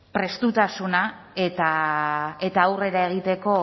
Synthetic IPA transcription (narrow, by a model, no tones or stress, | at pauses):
pɾe̞st̪ut̪asuna | e̞t̪a | e̞t̪aːwre̞ɾae̞ɣ̞it̪e̞ko̞